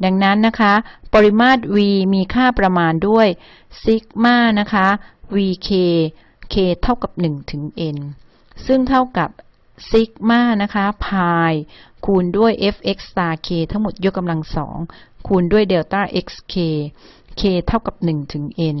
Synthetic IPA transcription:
da˧ŋna˦˥nːa˦˥kʰa˦˥pɔː˧ɾi˦˧˥maː˥˩t̪̚wiː˧miː˧kʰaː˥˩pɾa˧maː˧ndu˥˩əj | si˦˥k̚maː˥˩na˦˥kʰa˦˥wiː˧kʰeː˧ | kʰeː˧t̪ʰa˥˩wka˨˩p̚nɯ˨˩ŋt̪ʰɯ˩˦ŋʔe˧n | sɯ˥˩ŋt̪ʰa˥˩wka˨˩p̚ | si˦˥k̚maː˥˩na˦˥kʰa˦˥pʰaː˧jkʰuː˧ndu˥˩əjʔe˦˥fʔe˦˥k̚st̪aː˧kʰeː˧t̪ʰa˦˥ŋmo˨˩t̪̚jo˦˥kːa˧mla˧ŋsɔ̰ː˩˦ŋkʰuː˧ndu˥˩əjde˧wt̪aː˥˩ʔe˦˥k̚skʰeː˧ | kʰeː˧t̪ʰa˥˩wka˨˩p̚nɯ˨˩ŋt̪ʰɯ˩˦ŋʔe˧n

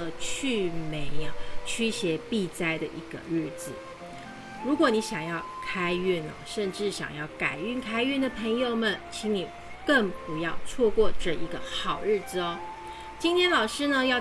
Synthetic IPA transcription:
ə˧t͡ɕʰy˥˩me˧˥ɪɐ˨˩t͡ɕʰy˥ɕjɛ˧˥pi˥˧t͡sa˥ɪd̪ə˨ʔi˧˥ɡ̥ə̰˧ɻɻ̩˥˩t͡sɹ̩˩˦ | ɻu˧˥kwɔ˨˧˥ni˧˥ɕjɑ˨˩ŋjɑ˥˩ʊkʰa˥ɪy˥˩nɐ̰˨˩ʂə˥˧nʈ͡ʂɻ̩˥˩ɕjɑ̰˨˩ŋjɑ˥˩ʊka˨˩ɪy˥˩nkʰa˥ɪy˥˩nd̪ə˩pʰɤ˧˥ŋjo˨˩ʊmə˨nt͡ɕʰi˧˥ŋni˨˩ | kə˥˩ŋpu˧˥jɑ˥˧ʊt͡sʰwɔ˥˧kwɔ˥˧ʈ͡ʂə˧i˧˥ɡə˧xɑ˨˩ʊɻ̩˥˩d͡zɹ̩˨˩ɔ˦ | t͡ɕi˥nt̪ʰjɛ˥nlɑ˨˩ʊʂɻ̩˥nə˧jɑ˥˩ʊ

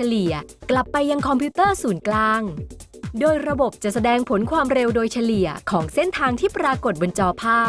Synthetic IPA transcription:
a˧li˨˩əkla˨˩pːa˧jːa˧ŋkʰɔ˧mpʰiː˦˥t̪ɤː˥˩suː˩˦nklaː˧ŋdoː˧jɾa˧bo˨˩p̚t͡ɕa˨˩ʔsa˧dɛː˧ŋpʰo˩˦nkʰwaː˧mɾe˧wdoː˧jt͡ɕʰa˧li˨˩əkʰɔː˩˦ŋse˥˩nt̪ʰaː˧ŋt̪ʰiː˥˩pɾaː˧ko˨˩t̪̚bo˧nt͡ɕɔː˧pʰaː˥˩

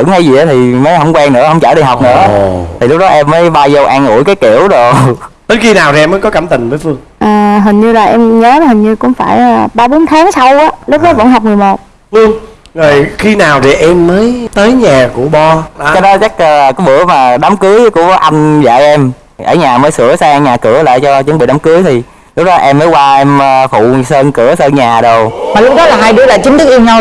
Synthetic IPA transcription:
ɨ̰˧˥ŋha˧˩jzi˨˩ɗaː˨˦t̪ʰi˨˩məː˨˦jhwŋ͡mkwɛː˧ŋnɨ̰˧˥əhə˧wŋ͡mt͡ɕəː˧˩ɗi˧˩jɦa˨˩k͡p̚nɨ̰˧˥ət̪ʰi˨˩lʊ˦˥k͡p̚ɗɔ˨˦ʔɛ˧mːəː˨˦jɓaː˧wzə˧wʔaː˧ŋʔṵ˧˩jkaː˨˦jkḭ˧˩əwzo˨˩ | ɗ̪ə˨˦jxi˧naː˨˩wt̪i˨˩ʔɛ˧məː˨˦jkɔ˨˦kəː˧˩mt̪ï˨˩ŋvəː˨˦jfɨ˧əŋ | ʔəː˨˩ɦï˨˩ŋ̟ɲɨ˧laː˨˩ʔɛ˧mɲəː˨˦hi˨˩ŋ̟ɲɨ˧kʊ̰˧˥ŋ͡mfaː˧˩jəː˨˩ɓaː˧ɓo˨˦nt̪ʰaː˨˦ŋsa˧wʔaː˨˦lʊ˦˥k͡p̚ɗɔ˨˦və̰˧˥nɦa˨˩wk͡p̚mɨ˨˩əjmo˨˩t̚ | fɨ˧əŋ | zɔ˨˩jxi˧naː˨˩wt̪ʰi˨˩ʔɛ˧mːəː˨˦jt̪əː˨˦jɲaː˨˩kṵ˧˩əɓɔ˧˨˧t͡ɕɔ˧ɗɔ˨˦t͡ɕa˦˥k̚ːkɔ˨˦jɓɨ̰˧˩əmaː˨˩ɗa˨˦mkɨ˨˦əjkʊ˧˩ə˦ʔa˧jŋ̟za̰ː˧˨jʔɛ˧m | ʔəː˧˩ɲaː˨˩məː˨˦jsɨ˧˩əsaː˧ɲaː˨˩kɨ˧˩əla̰ː˧˨jt͡ɕɔ˧t͡ɕə˨˦ŋ͡mɓḭ˧˨ɗa˨˦ŋ͡mkɨ˨˦əjt̪ʰi˨˩ | lʊ˦˥k͡p̚ɗɔ˨˦ʔɛ˧mːəː˨˦jkwaː˧ʔɛ˧mː˧fṵ˧˨səː˧nkɨ˧˩əsəː˧nɲaː˨˩ɗə˨˩wmaː˨˩lʊ˦˥k̚ɗɔ˨˦laː˨˩ɦaː˧jɗɨ˧˩əla̰ː˧˩jt͡ɕï˨˦ŋ̟t̪ɨ˦˥k̚ʔi˧mɲə˧w

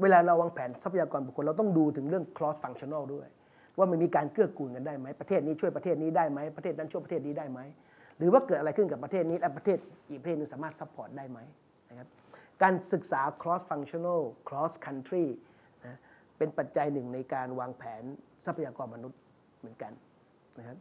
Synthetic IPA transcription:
weː˧laː˧ɾa˧waː˧ŋpʰɛː˩˦nsa˦˥pʰa˧jaː˧kɔː˧nbuː˨˩kʰo˧nɾa˧wt̪̬ɔ˥˩ŋduː˧t̪ʰɯ˩˦ŋɾɯ˥˩əŋkʰlɔː˦˥sfa˧ŋt͡ɕʰi˧na˥˩˨du˥˩əj | waː˥˩ma˧nmiː˧kaː˧nkɯ˥˩əkuː˨˩nka˧ndaː˥˩jma˦˥jpɾa˧eː˥˩t̪̚niː˦˥t͡ɕʰu˥˩jpa˧eː˥˩t̪̚niː˦˥daː˥˩jma˦˥jpɾʰeː˥˩t̪̚na˦˥nt͡ɕʰu˥˩pa˧e˥˩t̪̚niː˦˥daː˥˩jma˦˥j | ɾɯː˩˦waː˥˩kɤː˨˩t̪ʔa˧ɾa˧jkʰɯ˥˩nka˨˩pːɾʰeː˥˩t̪̚niː˦˥lɛ˦˥pɾa˧t̪ʰeː˥˩t̪̚ʔiː˨˩k̚pa˧eː˥˩n˧ŋsaː˩˦maː˥˩t̪̚sa˦˥pʰːɔː˨˩t̪̚daː˥˩jma˦˥j | na˦˥kʰa˦˥p̚ | kaː˧nsɯ˨˩k̚saː˩˦kʰlɔː˦˥sfa˧ŋt͡ɕʰi˧na˥˩lkʰlɔː˦˥skʰa˧nt̪ʰɾiː˥˩ | na˦˥ | pe˧npa˨˩t̪̚t͡ɕa˧jnɯ˨˩ŋna˧jkaː˧nwaː˧ŋpʰɛː˩˦n | sa˦˥pʰa˧jaː˧kɔː˧nma˧nu˦˥t̪̚ | mɯ˩˦ənka˧n | na˦˥kʰa˦˥p̚

